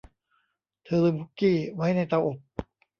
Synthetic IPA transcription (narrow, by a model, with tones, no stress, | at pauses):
t̪ʰɤː˧lɯ˧bu˦˥kːiː˥˩wa˦˥jna˧jt̪a˧˩wʔo˨˩p̚